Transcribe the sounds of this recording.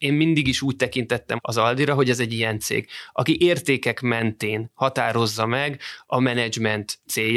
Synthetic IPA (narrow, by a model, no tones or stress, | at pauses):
eːmmind̪iɡiʃuːc̚t̪ɛkint̪ɛt̪ːɛ̰mɒzɒld̪iɾɒɦo̞ɟɛzɛɟːijɛnt̪sḛːɡɒkiʔeːrt̪eːkɛkmɛnt̪eːnhɒt̪aːɾo̞zːɒmɛɡɒmɛnɛd͡ʒmɛnt̪seːj